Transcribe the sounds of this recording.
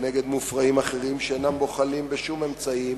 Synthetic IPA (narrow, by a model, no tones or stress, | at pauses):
neɡe̞d̪mufʁaimaχe̞ʁimʃeenambo̞χalimbeʃume̞mt͡sai